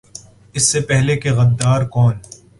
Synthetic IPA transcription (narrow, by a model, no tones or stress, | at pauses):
ɪsːepɛɦlekeɣɐd̪ːaːɾkɔːn